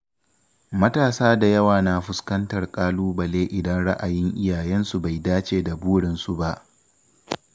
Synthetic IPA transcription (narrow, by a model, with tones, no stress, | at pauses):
mɐ˦taː˨saː˦da˨jɐ˦waː˨naː˨ɸʊ˨˦skɐ˦ntɐ˨rkʼaː˦luː˦bɐ˨leː˦ʔɪ˨dɐ˦nɽa̰˦ʔa˨jɪ˦ŋʔɪ˦jaː˨jɛ˦nsu˨ba˨jdaː˦t͡ʃeː˨da˨buː˦ɽɪ˨nsu˦ba˦ʔ